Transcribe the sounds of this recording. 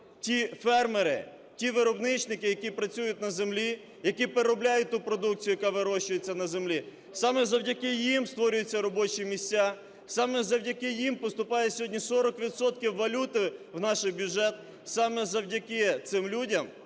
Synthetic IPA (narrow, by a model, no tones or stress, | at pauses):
tʲifɛrmeɾɪ̰ | tʲiʋɪɾɔbnɪt͡ʃnɪkɪjɐkʲipɾɐt͡sʲujʊtʲnɐzemlʲi | jɐkipeɾɔblʲajʊt̚ʲt̪upɾɔd̪uk̚t͡sʲijʊjɐkɑʋɪɾɔʃt͡ʃʊjet͡sʲːɐnɐzemlʲi | sɑmɛzɐwdʲɐkɪjimst̪ʋɔɾʲʊjʊt͡sʲːɐɾɔbɔt͡ʃimʲisʲt͡sʲːa | sɑmɛzɐwdʲɐkɪjimpɔst̪ʊpɑjɛsʲɦɔdʲnʲisɔɾɔkʋʲid̪sɔt̪kʲiwːɐlʲut̪ɪwnɑʃɪjbʲjʊʒɛt̪̚ | sɑmɛzɐwdʲɐkɪt̪sɪmlʲudʲɐm